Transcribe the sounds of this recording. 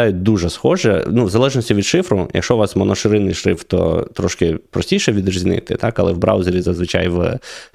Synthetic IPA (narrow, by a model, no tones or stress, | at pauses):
ɑjʊt̚ʲd̪uʒɛsxɔʒɛnuʋzɐlˠɛʒnɔsʲtʲiʋʲid̪ʃɪfɾʊjʔɐ̰kʃɔʋɑsmɔnɔʃɪɾɪnɪjʃɾɪft̪ɔ̰t̪ɾɔʃkɪpɾɔsʲtʲijʃɛʋʲid̪rɐzʲinɪ̰t̪ɪ̰t̪ɑkɐlˠɛwbɾɑ̰wzeɾʲizɐzʋɪt͡ʃɑ̰jʋ